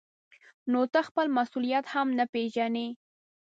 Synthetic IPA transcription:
not̪axpəlmasulijat̪hamnapeʒane

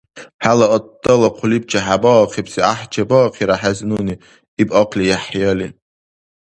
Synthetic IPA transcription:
ħalaodalaqʷʰʊlib̚t͡ʃʰʼaħabɔqʰipsiaħd͡ʒabɔqʰiɾaħaznuni | ibʼaqʰlijaħjalin

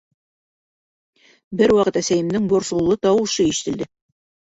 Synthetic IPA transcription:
bɘɾwɑqɤt̪æsæjɘ̆mnɘŋboɾsulˠːɤt̪ɑwɤ̆ʃɤiʃɘ̥̆t̪ɘ̆ld̪ɘ

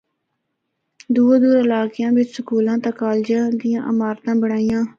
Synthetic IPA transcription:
d̪uːd̪uːɾɪlaːkɪjãːʋɪt͡ʃsəkuːlãːt̪ãːkaːld͡ʒãːd̪ijãːʔəmaːɾt̪ãːbəɽaːijãː

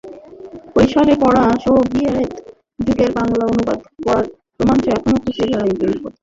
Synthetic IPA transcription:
pojʃaɾepɔɽaʃɔɦobiaet̪ | d͡ʑuɡeɾbaŋlaonuba̰d̪kɔɾaɾ | pɾomant͡ɕoɛkʰonokusʰibʱaɾajbekot̪

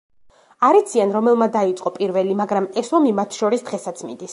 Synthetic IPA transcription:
aɾit̪sʰianɾɔmɛlˠmad̪ait̪sʼqʼɔpʼiɾvɛlimaɡɾamɛsɔmimat̪ʰʃɔɾisd̪ʁɛsat̪sʰmḭnd̪is

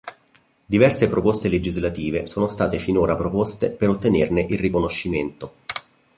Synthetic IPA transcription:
d̪ivɛrsepɾopost̪eled͡ʒizlat̪iːvesoːnost̪aːt̪efinoːɾapɾopost̪epeɾot̪ːenerneʔilrikonoʃːiment̪o

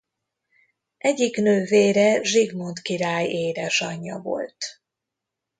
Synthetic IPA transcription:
ʔɛɟːiknøːveːɾɛʒiɡmont̪kiɾaːjeːɾɛʃɒɲːɒvo̞̰lt̪

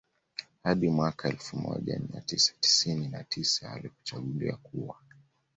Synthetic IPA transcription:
haɗimwakʰaɛlfumɔ̰ʄamiatisḁti̥sininatʰisaːliku̥t͡ʃaɠuliakuwa

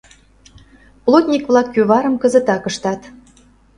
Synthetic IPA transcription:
plˠot̪ʲnʲikβlɑkjyβɑɾəmkə̆zə̆t̪ɑkəʃt̪ɑt̪

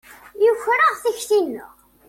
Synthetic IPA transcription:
jʊçɾəʁθiçθinːʊʁ

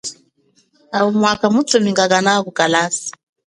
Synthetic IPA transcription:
aumwakamutɔmiŋɡaɣanakukalasi̥

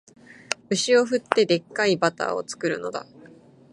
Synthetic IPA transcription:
ɯ̟ɕio̞ɸɯ̟t̪ːe̞d̪e̞kːaibat̪a̰ːo̞̰t͡sɨ̥kɯ̟ɾɯ̟no̞d̪a̰

